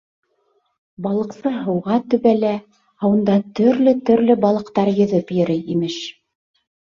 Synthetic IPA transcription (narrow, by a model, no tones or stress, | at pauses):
bɑlˠɤ̆qsɤɦɤ̆wʁɑt̪ɵ̆βælæ | hɑwɤ̆nd̪ɑt̪ɵ̆ɾlɵt̪ɵ̆ɾlɘbɑlˠɤ̆qt̪ɑɾjɤ̆ðɤpjɘ̆ɾɘjimɘʃ